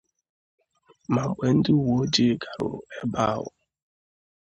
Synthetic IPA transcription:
ma˨ŋ͡m̩˨k͡pe˨n̩˦dɪ˦u˦wo˨˦d͡ʒi˦ɡa˨ɾʊ̰˨e˦ba˦ɦʊ̰˨

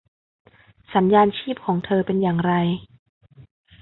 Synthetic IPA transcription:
sa˩˦njaː˧nt͡ɕʰiː˥˩p̚kʰɔː˩˦ŋt̪ʰɤː˧pe˧njaː˨˩ŋɾa˧j

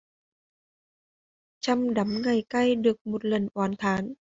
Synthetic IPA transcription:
t͡ɕʰa˧mda˨˦mŋa˨˧˩jka˧˥˩jdɯ˨˩ək̚mo˨˩t̪̚lɤ˨˩nʔɔː˨˩nt̪ʰaː˨˩˦n

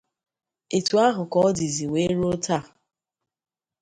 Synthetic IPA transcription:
e˨tu˨a˦ɦʊ˨kɔ˦di˨zi˨we˦ɾu˦o˦ta˦˨

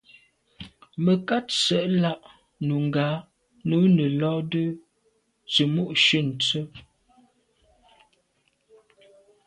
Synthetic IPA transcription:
mə˨ka˦t̚sə˨ʔla˦˨ʔ | nu˨ŋ˨ɡaː˨˦ | nu˨˦nə˨lɔː˦də˦ | t͡sə˨mu˦ʔʃə˦˨n̩˨t͡sə˦

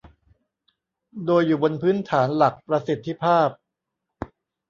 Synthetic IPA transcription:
doː˧jːuː˨˩bo˧npʰɯː˦˥nt̪ʰaː˩˦nla˨˩k̚pɾa˧si˨˩t̪ʰːi˧˦pʰaː˥˩p̚

